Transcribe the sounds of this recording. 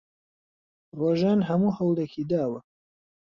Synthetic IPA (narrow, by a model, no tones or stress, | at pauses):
roːʒaːnɦɐmuːhɐwld̪ekʰiːd̪aːwɐ